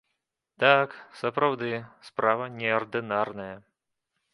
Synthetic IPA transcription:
t̪aksɐpɾawd̪ɨspɾavɐnʲɛɐrd̪ɨnarnɐjɐ

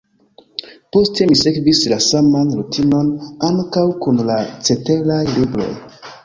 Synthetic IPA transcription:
po̞ste̞misekvislasamanɾutʰino̞naŋkawkunlat͡se̞te̞lajlibɾo̞̰j

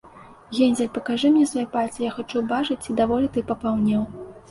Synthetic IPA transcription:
ɣʲɛnʲzʲɛlʲpɐkaʐɨmnʲɛsvajɛpalʲt͡sʲɛjaxat͡ʂubat͡ʂɨt͡sʲid̪avɔlʲit̪ɨpɐpawnʲɛw

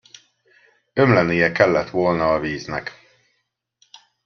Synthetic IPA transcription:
ømlɛnijɛkɛlːɛt̪ʋolnɒːviːznɛ̰k

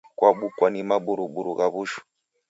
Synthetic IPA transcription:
kwaɓukwanimaɓuɾuɓuɾuɣaβuʃu̥

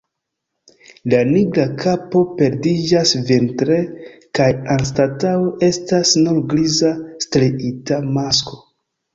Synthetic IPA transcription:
laniɡɾakapo̞pe̞ɾdid͡ʒasventɾekajanstataoʔe̞stasnulɡɾizastɾiitamasko̞

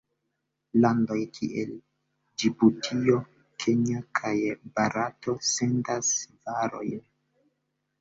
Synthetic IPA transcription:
lando̞jkʰḭʔḛl | d͡ʒibutʰio̞ | kʰeɲakʰajbaɾato̞se̞ndasvaɾo̞̰jn

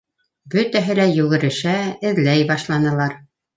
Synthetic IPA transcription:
bɵt̪æɦɘlæjʉɡɘ̆ɾɘ̆ʃæɘ̆ðlæjbɑʃlˠɑnɤ̆lˠɑɾ

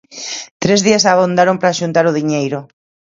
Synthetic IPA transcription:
t̪ɾezðiasaβond̪aɾompɾaːʃunt̪aɾʊðiɲejɾʊ

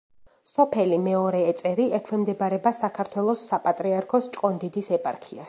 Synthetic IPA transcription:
sɔpʰɛlimɛɔɾɛːt̪sʼɛɾiɛkʰɾɛmd̪ɛbaɾɛbasakʰaɾt̪ʰwɛlˠɔsːapʼat̪ʼɾiaɾkʰɔst͡ʃʼqʼɔnd̪id̪isɛpʼa̰ɾkʰias

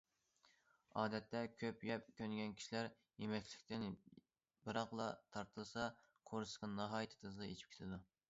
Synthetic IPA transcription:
ɑːd̪ɛt̪ʰːɛkʲʰøpjɛp̚kʲʰønɡʲɛnkʲʰi̥ʃilæɾ | jemɛkʲʰlɪkʲt̪ɪn | bɨɾɑqlˠɑt̪ʰɑɾt̪ʰɨlˠsɑ | qʰoɾsqɑnnɑɦɑːjt̪ʰɨ̥t̪ʰɨzlɨḛt͡ʃʰi̥p̚kʲe̥t̪ʰɪd̪u

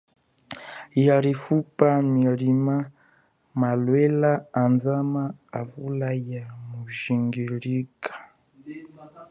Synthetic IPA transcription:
jaɾifupamilima | malwɛlaːnzamaavulajamuʒiŋɡilikḁ

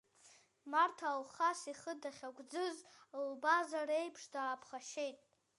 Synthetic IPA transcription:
martʰalχasiχədaχʲaɡʷʼd͡zɨzlbazaɾejpʰʂdaːpʰχaʃe̞jtʼ

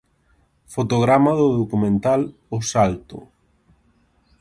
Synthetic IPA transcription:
fot̪oɣ̞ɾamaðʊðokumẽnt̪al | osalt̪ʊ̰

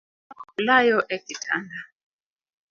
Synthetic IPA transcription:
ʊlajɔʔɛkɪtʰa̰nda

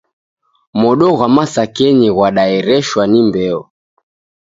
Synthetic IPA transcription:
mɔɗɔɣwamasakɛniɣwaɗaɛɾɛʃwanimbɛɔ

